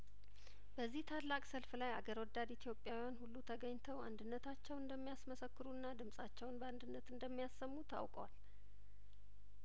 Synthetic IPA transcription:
b̥əzːiht̪ʰalːakʼsəlflaja̰ɡəɾwɔd̪ːad̪it̪ʰijo̞pʼːjawjanhulːut̪ʰəɡəɲːt̪ʰəwa̰nd̪ɨnːət̪ʰat͡ʃːɛwɨnd̪əmːijasməsəkːɨɾuɨnːad̪ɨmsʼat͡ʃːɛwnbəand̪ɨnːət̪ɨnd̪əmːijasːəmːut̪ʰa̰wkʼəwa̰l

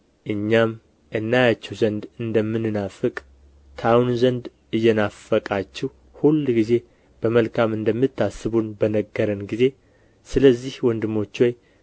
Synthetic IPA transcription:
ʔɨɲːam | ʔɨnːajat͡ʃːɛwzənd̪ɨnd̪əmːɨnːɨnafɨkʼ | t̪ʰawnzənd̪ | ɨjːɛnafəkʼat͡ʃːɛw | hulːɡize̞ | b̥əməlkʰamɨnd̪əmːɨt̪ʰːasːɨβunbənəɡːəɾənɡize̞ | sɨləzːihwɔnd̪ɨmːo̞t͡ʃːwoj

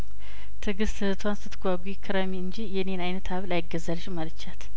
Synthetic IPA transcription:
t̪ʰɨɡɨst̪ʰɨɨt̪ʰwanst̪ʰɨt̪ʰɡʷaɡʷujkʰːɨɾamiɨnd͡ʒijɛnenajnət̪ʰaβlajɪɡːəzalʃmalɨt͡ʃːat̪

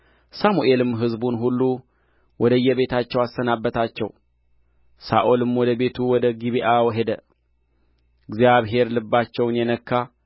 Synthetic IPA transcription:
samuʔe̞lɨmɦɨzbunɦulːu | wʔɔd̪əɨjːɛβe̞t̪ʰat͡ʃːɛwasːənabːət̪ʰat͡ʃːɛw | sa̰ʔolɨmwɔd̪əbe̞t̪ʰuwɔd̪əɡiβiʔawɦe̞d̪ə | ɨɡzijaβɦe̞ɾlɨbːat͡ʃːɛwnjɛnəkʰːa

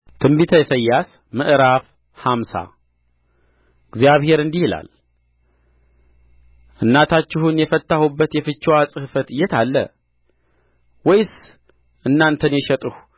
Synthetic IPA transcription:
t̪ʰɨmbit̪ʰəjɛsəjːas | mɨʔɾaf | hamsa̰ | ɨɡzjaβhe̞ɾɨnd̪ihɪla̰l | ʔɨnːat̪ʰat͡ʃːɪhunjɛfət̪ːahubːət̪jɛfɨt͡ʃːwasʼɨhɨfət̪ɨjːɛt̪ʰalːə̰ | wɔjs | ʔɨnːant̪ʰənjɛʃɛt̪ʼɨhu

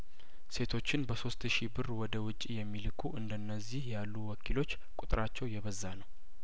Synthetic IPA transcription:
se̞t̪ʰo̞t͡ʃːɪnbəso̞st̪ʃibɨrwɔd̪əwʊt͡ʃʼːijɛmːilɨkʰuʔɨnd̪ənːəzːihjalːuwɔkʰilo̞t͡ʃː | kʼut̪ʼɨɾat͡ʃːɛwjɛβəzːanəw

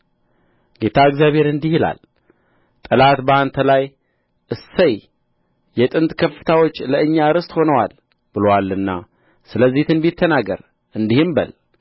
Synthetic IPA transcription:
ɡ̥e̞t̪ʰaɨɡzjaβhe̞ɾɨnd̪ihila̰l | t̪ʼɨlat̪bəant̪ʰəlaj | ʔɨsːəj | jɛt̪ʼɨnt̪kʰəfːɨ̥t̪ʰawo̞t͡ʃːləɨɲːaɾɨst̪ho̞nəwal | b̥ɨlowalɨnːa̰ | sɨləzːiht̪ɨnbit̪ʰːənaɡə̰ɾ | ʔɨnd̪ihɨmbə̰l

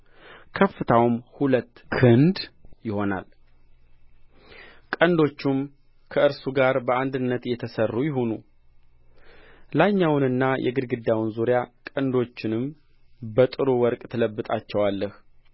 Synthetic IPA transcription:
kʰəfːɨt̪ʰawmhulət̪ːkʰɨnd̪jɪho̞na̰l | kʼənd̪o̞t͡ʃːum | kʰəʔɨɾsuɡaɾbəand̪ɨnːət̪jɛt̪ʰəsərːujɪɦo̞nu | laɲːawnɨnːajʔɛ̰ɡɨd̪ɡɨd̪ːawnzuɾjakʼənd̪o̞t͡ʃːɪnɨm | bət̪ʼɨɾuwɔɾkʼt̪ʰələbːɨt̪ʼat͡ʃːɛwalːəh

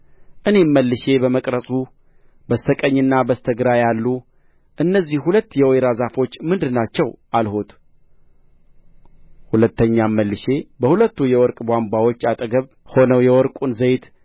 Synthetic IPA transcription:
ʔɨne̞mːəlːɨʃe̞bəməkʼɾəsʼu | bəst̪ʰəkʼəɲːɨnːabəst̪ʰəɡɨɾajalːu | ʔɨnːəzːihhulət̪ːjɛwɔjɾazafo̞t͡ʃːmɨnd̪ɨnat͡ʃːɛwʔalho̞t̪ʰ | hulət̪ːəɲːamːəlːɨʃe̞bəhulət̪ːujɛwɔɾkʼbʷambʷawot͡ʃːat̪ʼɡəβ | ho̞nəwjɛwɔɾkʼunzəjt̪

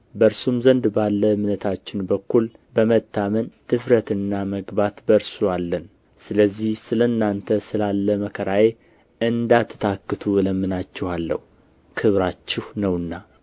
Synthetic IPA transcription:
bəɾsumzənd̪balːəmnət̪ʰat͡ʃːɪnbəkːul | bəmət̪ʰːamənt̪ʰɨfɾət̪ɨnːaməɡbat̪bəɾsualːən | sɨləzːihsɨləɨnːant̪ʰəsɨlalːəməkʰəɾaje̞ | ɨnd̪at̪ʰːɨ̥t̪ʰakːɨt̪ʰuɨləmːɨnat͡ʃːɛhalːə̰hu | kʰɨβɾat͡ʃːɪhnəwɨnːa

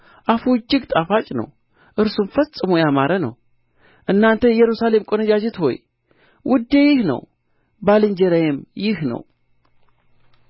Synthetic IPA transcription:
ʔafud͡ʒːɪɡt̪ʼafat͡ʃʼnə̰w | ʔɨɾsumfəsʼɨmojamaɾənə̰w | ʔɨnːant̪ʰəjɛɾusale̞mkʼonəd͡ʒad͡ʒɛt̪ho̞̰j | wʔʊd̪ejɪhnə̰w | balɨɲd͡ʒɛɾajemjɪhnə̰w

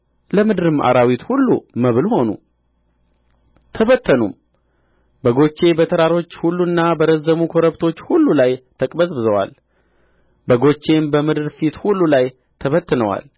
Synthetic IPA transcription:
ləmɨd̪ɨɾɨmʔa̰ɾawit̪hulːṵməβɨlho̞nṵ | t̪ʰəβət̪ʰːənṵm | bəɡo̞t͡ʃːe̞bət̪ʰəɾaɾo̞t͡ʃːhulːuɨnːabəɾəzːəmukʰo̞ɾəβt̪ʰo̞t͡ʃːhulːulajt̪ʰəkʼbəsʼbɨzəwa̰l | bəɡo̞t͡ʃːe̞mbəmɨd̪ɨɾfit̪hulːulaj | t̪ʰəβət̪ːɨnəwa̰l

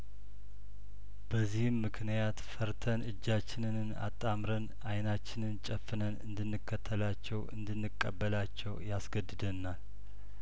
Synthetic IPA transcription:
b̥əzːihɨmːɨkʰnijat̪fəɾt̪ʰənɨd͡ʒːat͡ʃːɪnɨnɨna̰t̪ʼːamɾən | ajnat͡ʃːɪnɨnt͡ʃʼəfːɨnənɨnd̪ɨnːɨkʰːət̪ʰːəlat͡ʃːɛwɨ̰nd̪ɨnːɨkʼːəbːəlat͡ʃːɛwjasɡəd̪ɨd̪ənːal

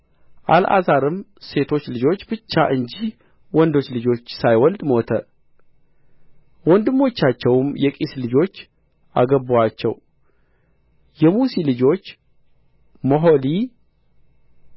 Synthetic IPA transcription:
ʔalʔa̰zaɾɨmse̞t̪ʰo̞t͡ʃːlɨd͡ʒo̞t͡ʃːbɨt͡ʃːaʔɨɲd͡ʒih | wɔnd̪o̞t͡ʃːlɨd͡ʒo̞t͡ʃːsajwɔld̪mo̞t̪ʰə̰ | wɔnd̪ɨmːo̞t͡ʃːat͡ʃːɛwmjɛkʼislɨd͡ʒo̞t͡ʃː | ʔa̰ɡəbuwat͡ʃːɛ̰w | jɛmusilɨd͡ʒo̞t͡ʃː | moɦo̞li

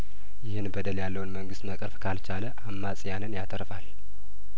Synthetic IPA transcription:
jɪhɨnbəd̪əljalːəwnməŋɡɨst̪məkʼəɾfkʰalt͡ʃʰaləʔamːasʼjanɨnjat̪ʰəɾfal

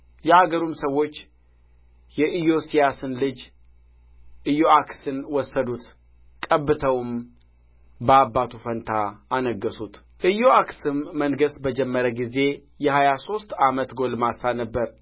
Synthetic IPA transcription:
jɛaɡəɾumsəwo̞t͡ʃː | jɛʔɨjo̞sijasɨnlɨd͡ʒ | ʔɨjo̞aksɨnwɔsːəd̪ut̪ | kʼəbːɨt̪ʰəwɨm | bəabːat̪ʰufənt̪ʰaːnəɡːəsut̪ | ʔɨjoaksɨmːənɡəsbəd͡ʒɛmːəɾəɡize̞ | jɛhajaso̞st̪amət̪ɡo̞lmasanəbːəɾ

